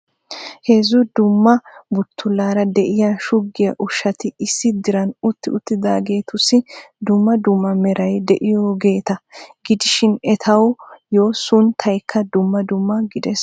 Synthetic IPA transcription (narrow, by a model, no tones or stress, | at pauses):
heːzʊd̪ʊmːɐbʊt̪ʰːʊlːaːɾɐd̪ɛʔɪjaʃʊɡːɪjɐʔʊʃːɐt̪ɪɪsːɪd̪ɪɾɐnʊt̪ːɪʊt̪ːɪd̪a̰ːɡe̞ːt̪ʊsːɪd̪ʊmːɐd̪ʊmːɐmɛɾɐjd̪ɛʔɪjoːɡe̞ːt̪ɐɡɪd̪ɪʃɪnɛt̪ʰɐwjo̞ːsʊnt̪ʰɐjkʰːɐd̪ʊmːɐd̪ʊmːɐɡɪd̪ɛs